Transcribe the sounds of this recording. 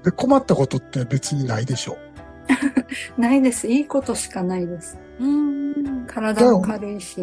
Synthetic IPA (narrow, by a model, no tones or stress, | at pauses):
d̪eko̞mat̪ːako̞t̪o̞t̪ːe̞be̞t͡sɨɲ̟inaid̪e̞ɕo̞ː | naid̪e̞sɨiːko̞t̪o̞ɕi̥kanaid̪e̞sɨ̥ | ɯ̃ | kʰaɾad̪amokaɾɯ̟iɕi